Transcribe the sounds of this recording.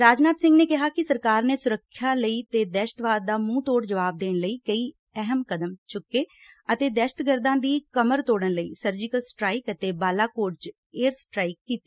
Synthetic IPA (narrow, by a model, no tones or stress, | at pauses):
ɾaːd͡ʒnaːt̪sɪ̃ŋɡneːkɪɦaːkɪsəɾkaːɾneːsʊɾəkʰːjaːləiːt̪eːd̪ɛːʃə̥t̪ʋaːd̪̚ːaːmũːt̪oːɽd͡ʒəʋaːb̚d̪eːɳləiːkəiː | ɛɦəmkəd̪əmt͡ʃʊkːeː | ət̪eːd̪ɛːʃət̪ɡəɾd̪ãːd̪iːkəməɾt̪oːɽənləḭːsəɾd͡ʒɪkəlsʈɾaːɪkət̪eːbaːlaːkoːʈt͡ʃ | eːəɾsʈɾaːɪkːiːt̪iː